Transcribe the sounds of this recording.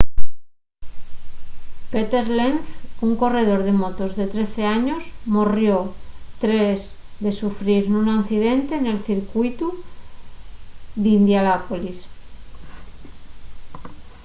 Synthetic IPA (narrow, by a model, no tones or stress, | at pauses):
pet̪eɾlenθuŋko̞re̞ð̞o̞ɾðe̞mot̪ozðe̞t̪ɾeθe̞aɲosmorjot̪ɾez | ðe̞sufɾiɾnũnanθiðent̪ene̞lθiɾkujt̪u | ðind̪jalapolis